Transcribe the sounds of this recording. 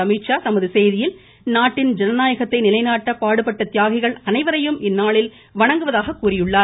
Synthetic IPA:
ɐmiːʈt͡ʃaːsɐmɯðɯsɛjðɪjɪl | naːʈːɪnd͡ʒɛnɐnaːjɐɣɐt̪ːɐɪnɪlɐɪnaːʈːɐpaːɽɯpɐʈːɐt̪ɪjaːɣɪɣɐɭɐnɐɪʋɐɾɐjɯmʔɪnːaːɭɪl | ʋɐɳɐŋɡɯʋɐðaːɣɐkːuːrɪjɯɭːaːɾ

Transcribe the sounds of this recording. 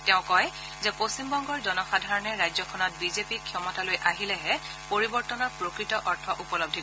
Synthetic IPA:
tɛʊ̃kɔj | zɛposimbɔŋɡɔɹzɔnɔxadʱaɹɔnɛɹajzɔkʰɔnɔt̚bizepikʰːjɔmɔtalojʔaɦilɛɦɛ | poɹibɔɹtɔnɔpɹokɹitɔʔɔɹtʰɔʔupɔlob̚dʱi

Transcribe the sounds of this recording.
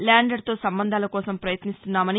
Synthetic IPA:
laːɳɖɐɽt̪o̞ːsɐmbɐnd̪ʱaːlɐkɔːsɐmpɾɐjɐt̪nist̪unːaːmɐni

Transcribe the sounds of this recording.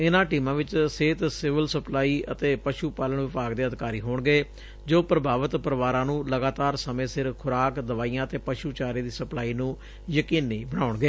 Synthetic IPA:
ɪnãːʈiːmãːʋɪt͡ʃseːt̪sɪʋəlsəplaːiːət̪eːpəʃuːpaːləɳʋɪpaːɡd̪eːəd̪ɪkaːɾiːɦoːɳɡeː | d͡ʒoːpɾəbaːʋət̪pəɾəʋaːɾãːnũːləɡaːt̪aːɾsəmẽːsɪɾkʰʊɾaːkd̪əʋaːijãːət̪eːpəʃuːt͡ʃaːɾiːd̪iːsəplaːiːnũː | jəkiːnːeːbəɳ̃aːʊɳɡeː

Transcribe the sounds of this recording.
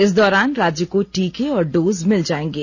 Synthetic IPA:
ɪsd̪ɔːɾaːnɾaːd͡ʒjəkoʈiːkeɔːɾɖoːzmɪld͡ʒaːẽːŋɡeː

